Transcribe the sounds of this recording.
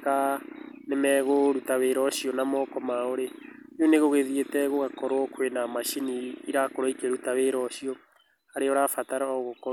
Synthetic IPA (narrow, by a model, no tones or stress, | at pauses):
kanemɛɣoɾutaweɾɔʃiɔnamɔkɔmaoɾe | ɲoneɣoɣeðietɛɣoɣakɔɾwɔkwenamaʃiniːɾakoɾɔikeɾutaweɾɔʃiɔ | aɾeɔɾafataɾaɣokɔ